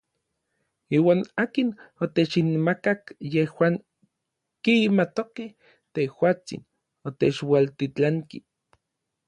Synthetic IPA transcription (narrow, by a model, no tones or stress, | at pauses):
iːwaːnaːkinot̪et͡ʃinmakakjehwaːŋ | kimat̪okeh | t̪ehwaːt͡sḭn | ot̪et͡ʃwalt̪it͡ɬaŋki